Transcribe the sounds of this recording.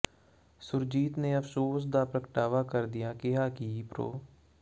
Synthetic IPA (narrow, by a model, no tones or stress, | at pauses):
sʊɾd͡ʒiːt̪neːəpʰsoːs̬d̪aːpɾəkəʈaːʋaːkəɾd̪ɪjaːkɪɦaːkiːpɾo̰ː